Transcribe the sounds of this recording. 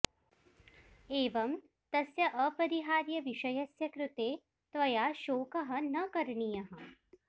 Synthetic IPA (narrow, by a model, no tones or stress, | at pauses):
eːʋɐm | t̪ɐsjɐʔɐpɐɾiɦaːɾjɐʋiʃɐjɐsjɐkɾut̪eː | t̪ʋɐjaːʃoːkɐɦɐ̆nɐkɐɾɳijɐɦɐ̆